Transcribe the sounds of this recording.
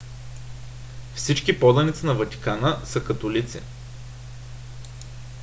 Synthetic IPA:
fsit͡ʃkipɔd̪ɐnit̪sənɐvɐt̪ʲi̥kanəsəkɐt̪ʊlit̪sɛ̰

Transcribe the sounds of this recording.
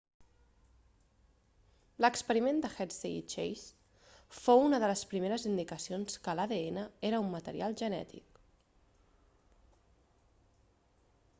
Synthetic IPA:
ləkspəɾimend̪əxɛt̪seḭt͡ʃḛjs | founəðələspɾimeɾəzind̪ikəsionskəlaðeenəeɾəumːət̪əɾḭalˠʒənɛ̰t̪ḭk

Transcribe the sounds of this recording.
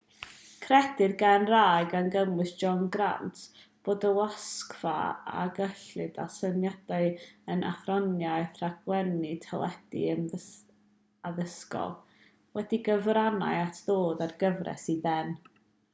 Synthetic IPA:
kʰrɛdɪrɡanrajɡənɡəmɨsd͡ʒɔnɡra̰ntʰ | b̥oːdəwaskv̥a̰a̰ɡəɬɨdasənjad̥aɨənʔa̰θrɔnjajθraɡwɛnitʰalˠɛd̥ḭənə | aðəskɔ̰lˠ | wɛdiɡəvrana̰ɨatʰðoːðarɡəvrɛ̰siðɛn

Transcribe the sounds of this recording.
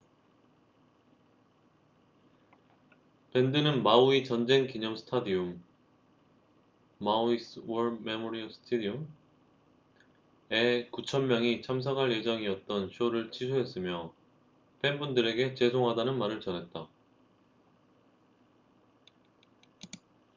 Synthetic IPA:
pe̞ndɯnɯnmauit͡ɕʌnd͡ʑe̞ŋkiɲʌmsʰɯ̥tʰadium | auiswʌɭmemoɾiʌs͈ʰɯ̥tʰedium | ekut͡ɕʰʌnmjʌŋit͡ɕʰams̬ʰʌkʰaɭje̞d͡ʑʌŋiʌt̚t͈ʌnɕʰioɾɯɭt͡ɕʰisʰuɦe̞s͈ɯmjʌ | penbundɯɾe̞ɡe̞t͡ɕe̞sʰoŋɦadanɯnmaɾɯɭt͡ɕʌnɦe̞t̚t͈a

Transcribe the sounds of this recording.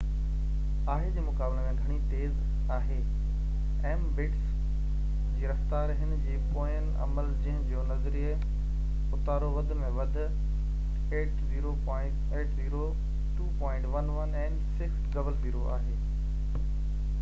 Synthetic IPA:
aːɦed͡ʑeːmʊkaːblemẽɡʱɐɽ̃it̪eːz | aːɦeː | ɛ̃ː | bɪʈs | d͡ʑiːɾɐft̪aːɾɦɪn̆d͡ʑiːpoːənɪ̆ɐ̰məld͡ʑiɦɪ̃d͡ʑoːnɐzɾij | ʊt̪aːɾoʋɐd̪ʱmẽʋɐd̪ʱʊ̆ | eːʈziːɾopɔ̃ːɪ̃ʈeːʈziːɾo | ʈuːpɔ̃ːɪ̃ɳʈʋɐnʋɐnãːn | sɪk̪ | ɡɐbəlziːɾoʔa̰ːɦeː

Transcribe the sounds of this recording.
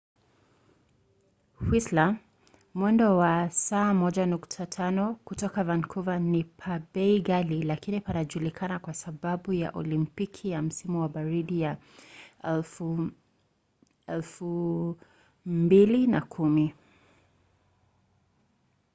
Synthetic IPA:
hwisla | mwɛndɔwasaːmɔʄanuktʰatʰanɔkutɔkavankʰuvanipʰaɓɛiɡalilakinipanaʄulikʰanakwasaɓaɓuja̰ʔɔ̰limpikʰijam̩simuwaɓaɾiɗija | ɛlfu | mbilinakʰumi

